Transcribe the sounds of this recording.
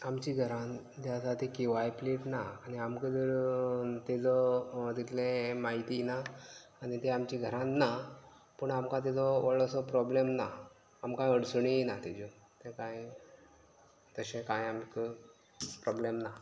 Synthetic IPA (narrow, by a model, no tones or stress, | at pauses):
amt͡ɕiɡʱəɾãn | d̪jasat̪ikiʋajpleʈnaañiamkəd͡zəɾt̪ed͡zɔd̪it̪ʰlẽmaɦit̪inaː | nit̪eamt͡ɕiːɡʱəɾãnːa | pəɳamkãt̪̬id͡zɔʋəɭɔsɔpɾɔblemnaː | mkãəɽsɳinat̪ed͡ʑo | t̪ẽkãi | t̪əɕẽkãjamkə | pɾɔblemna